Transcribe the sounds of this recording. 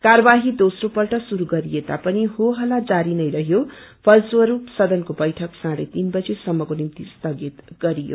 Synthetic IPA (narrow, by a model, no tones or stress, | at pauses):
kaɾʌbaɦid̪osropʌlʈʌsuɾuɡʌɾijet̪apʌniɦoɦʌlad͡zaɾinʌjɾʌɦjopʰʌlswʌɾupsʌd̪ʌnkobʌjʈʰʌksãɾʌ̰t̪inbʌd͡zesʌmːʌkonimt̪ist̪ʌɡit̪ɡʌɾijo̰